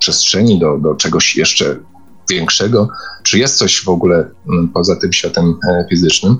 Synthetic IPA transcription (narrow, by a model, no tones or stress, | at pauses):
pʂɛstʂɛɲid̪ɔd̪ɔt͡ʂɛɡɔɕjɛ̰ʂt͡ʂɛ̰ | vʲjɛŋkʂɛɡɔt͡ʂɘjɛst̪sɔɕvɔɡulɛpɔzat̪ɘmɕfʲat̪ɛmfʲizɘt͡ʂnɘm